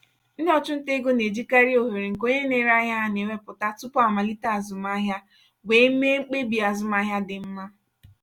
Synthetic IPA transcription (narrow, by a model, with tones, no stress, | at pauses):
n̩˦de˦ɔ˦t͡ʃʊ˦n̩˦te˦ɡo˦ne˨d͡ʒi˦ka˦ɾi˦o˨ɦe˨ɾe˨ŋ̩˨ko˦ɲe˦ne˨ɾa˦ɦja˦a˨ne˨me˦pʊ˨ta˦tʊ˦pɔ˦a˨ma˨li˦ta˦a˨zʊ˨ma˦ɦja˦ | ɡʷe˨˦me˦ŋ͡m̩˦k͡pe˦bi˨a˨zʊ˨ma˦ɦja˦dɪ˨m̩˦ma˦